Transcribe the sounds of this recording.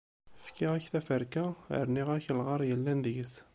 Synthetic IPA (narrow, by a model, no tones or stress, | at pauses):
fkiʁæçθæfəɾkæə̰ɾniʁæçəlʁɑɾˤjəlːænd̪jəs